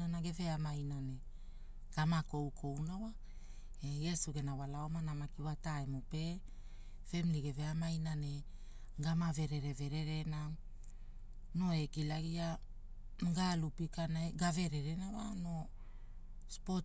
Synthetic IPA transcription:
anaɡe̞ve̞amajnane̞ | ɡ̥amako̞wkʰo̞wnawa | eje̞suɡe̞nawalaomanamakiwataemupe̞ | fe̞mliɡe̞ve̞amajnane̞ | ɡamave̞ɾe̞ɾe̞ve̞ɾe̞ɾe̞na | no̞ekilaɡia | mɡalupikanaeɡave̞ɾe̞ɾenawano̞ | spo

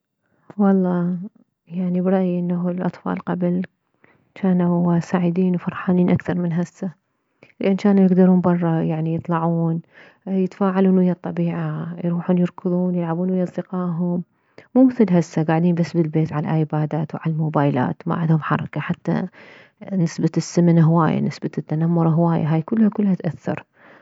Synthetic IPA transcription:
wɑlˤːɑː | jaʕnibɾˤɑʔjʔɪnːaɦulʔɑ̰t̪ˤfɑ̰ːlqɑbl | t͡ʃaːnasaːʕɪd̪iːnwfɑɾˤħaːniːnʔakθɑɾˤmɪnɦasːa | lɪʔant͡ʃaːnujɪɡd̪ɑɾuːnbɑrˤːɑjaʕnijɨt̪ˤlɑʕuːn | jɪt̪faːʕaluːnwɪjːɑt̪ˤːɑbiːʕajɾuːħuːnjɨɾˤkɨðˤuːnjɪlʕabuːnwɪjɑzˤd̪ɪqɑːɦʊmː | uːmɪθɪlɦasːaɡaːʕd̪iːmbasːbɪlbeːt̪ʕalaʔaːjbaːd̪aːt̪wʕa̰lalmoːbaːjla̰ːt̪ma̰ʕɪ̰nd̪hʊmħɑ̰ɾˤɑkaħat̪ːa̰ | nɪsbasːɪmnɦʊwaːja̰nɪsbat̪ːanamːʊɾˤɦwaːja̰ɦaːjkʊlːhakʊlːhat̪ʔaθːɑ̰ɾˤ

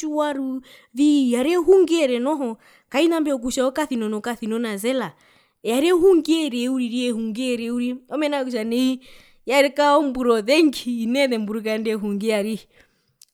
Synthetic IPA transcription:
uwaɾu | ðijaɾɛɦuŋɡɛɾɛnɔɦɔ | kainambɛɔk̬uʃaɔkaθinɔnɔkaθinɔnazɛla | jaɾɛhuŋɡiɛɾɛuɾiɾiɛhuŋɡɛɾɛuɾiɔmɛnakuʃ̬anɛi | jaɾɛkaɔmbuɾɔðɛŋɡiinɛðɛmbuɾukandɛɦuŋɡijaɾi

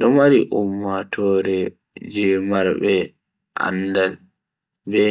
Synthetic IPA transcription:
ɗɔmaɾiʔumːatʰɔɾɛ | d͡ʒɛmaɾbɛ | ʔa̰ndal | bɛ

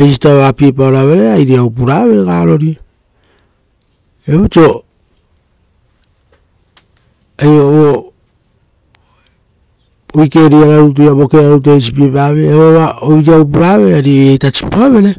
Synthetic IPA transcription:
ejsitaβapiepaoɾaβe̞ɾe̞ajɾiaupuɾaβe̞ɾeɡaɾo̞ɾia | eβot͡ʃo̞ | ajoβo | ojke̞ɾiaɾaɾut̬ujabokeɾaɾut̬es̬ipiepaβeeβoβaojɾiawp̬uɾaβe̞ɾeaɾiojejtat͡ʃi̥poaβe̞ɾe

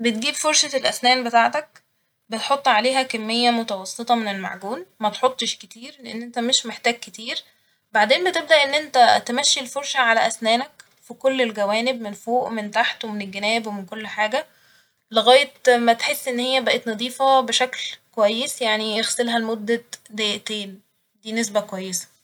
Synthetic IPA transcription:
bet̪̚ɡiːbfoɾˤʃælʔæsnæːnbet̪aːʕt̪æk̚ | bet̪ħot̪ˤːʕaleːɦækæmːejːæmot̪æwɑsˤːet̪ˤɑmenelma̰ʕɡuːnmæt̪ħot̪ˤːeʃket̪iːɾleʔḛnːʔent̪æmeʃmeħt̪æːɡ̚ket̪iːɾ | baʕd̪eːnbet̪eb̚d̪æʔenːʔent̪æt̪emæʃːilfoɾʃæʕalæʔæsnæːnæk | fikolːelɡæwæːneb̚menfoːʔment̪aħt̪wemenelɡːænæːbwemenkolːħaːɡæ | leɣæːjet̪mæt̪ħesːʔenːhejːæbæʔet̪nɑd̪ˤiːfɑbeʃæklkowæjːesjaʕnijexselɦælmod̪ːæd̪eʔt̪eːn | d̪iːnes̬bækowæjːesæ̥

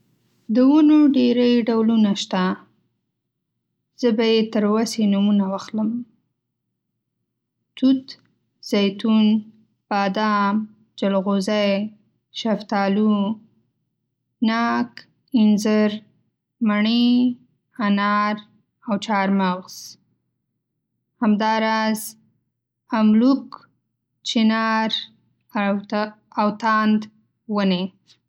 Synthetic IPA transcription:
d̪əwunoɖeɾəjɖawlunaʃt̪a | z̥əbajet̪əɾwasenumunawaxləm | t̪ut̪ | z̥ajt̪un | b̥ɑd̪ɑm | d͡ʒalɣozaj | ʃaft̪ɑlu | nɑk | ɪnzəɾ | maɳi | anɑɾ | awt͡ʃɑɾmaɣz̥ | hamd̪ɑɾɑz | amluk | t͡ʃinɑɾ | awt̪and̪ | wəne

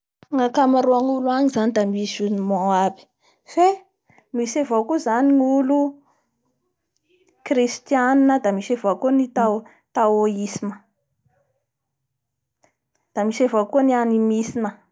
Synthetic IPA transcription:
ŋakamaɾuaŋuluaɲizanid̪amisunimoabi̥ | fe | misevokuzaniŋulu | krist̪ijaninəd̪amisevakunit̪a | t̪awoisinə̥ | d̪̥amisevokunianimisinə

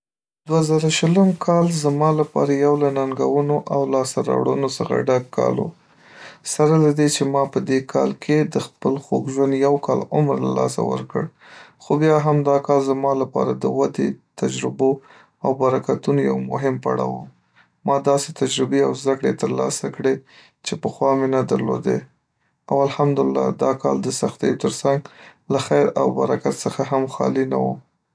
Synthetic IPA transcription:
d̪wazaɾaʃələmkʰɑlzamɑlapɑ̰ɾajawlanaŋɡawənoʔawlɑsaɾɑ̰wɽənosəxa̰ɖaɡkɑ̰lo̰ | saɾalad̪et͡ʃemɑpəd̪ekʰɑ̰lkʰed̪əxpəlxoɡʒwand̪jawkʰɑlʊmɾlalɑ̰sa̰wə̰ɾkə̰ɽ | xobjɑɦamd̪ɑkɑlzamɑlapɑ̰ɾad̪əwad̪et̪ad͡ʒɾɪbo | awbaɾakat̪unoja̰wmʊɦɪmpa̰ɽɑ̰wum | mɑd̪ɑset̪ad͡ʒɾɪbeawzd̪akɽet̪əɾlɑ̰sakɽe | t͡ʃepəxwɑmenad̪əɾlo̰d̪ḛ | awalhamd̪ʊlɪlːɑ̰d̪ɑkɑld̪əsaxt̪ejot̪əɾsaŋɡlaxajɾa̰wbaɾakat̪səxaɦamxɑ̰lina̰wu

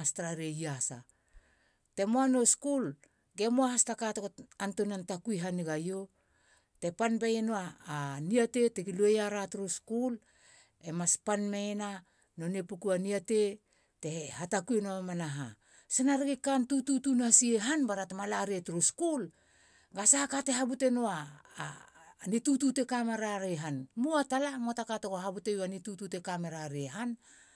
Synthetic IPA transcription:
astɾaɾejasa̰ | te̞moano̞skul | ɡe̞moahastakatokoantonantakujɦaniɡajo | te̞panbajenoaːniate̞tekiluejaɾatɾoskul | emaspanmena | no̞nepukuaniate | te̞hatakuenoamanaɦa̰ | senaɾeɡikantututunasieɦanbaɾatemalaɾietuɾuskul | ɡasahakate̞ɦabute̞noa | nitutute̞kameɾaɾeɦanmuatalamotakatoɡoɦabute̞juanitutute̞kameɾaɾieɦan

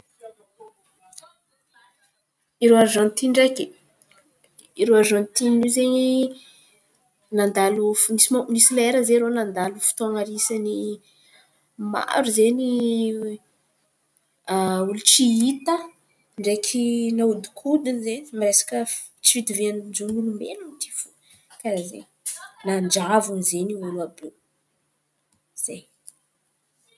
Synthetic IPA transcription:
iɾoaɾzant̪iɳɖ͡ʐeke | iɾoaʒanit̪ininizeɲi | nand̪alufnisimonisileɾəzeɾonand̪alufu̥t̪oaŋaɾisani | ma̰ɾuzeni | ulut͡siit̪ə | ɳɖ͡ʐekʰinaud̪u̥kʰud̪inzenimiresḁkə | t͡sivid̪iveand͡ʒunulumbḛlunt̪i̥fu̥ | kaɾazḛn | nand͡ʒavunizeniwaluabu | z̥e

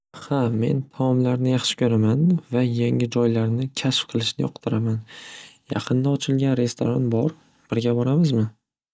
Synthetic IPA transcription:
hame̞̰nt̪ʰamɒmlaɾnɪjɑχʃɪ̥kʲʰɵɾamanvajaŋɪd͡ʒɒjlaɾnɪkʲʰasfqʰɨlˠɪʃnɪɒqt̪ʰɪɾamanjɑ̰qʰɨnd̪aɒt͡ʃʰɪlɡʲanɾe̞st̪ʰoɾanbɒɾ | b̥ɪɾɡʲabɒɾamɪzmɪ

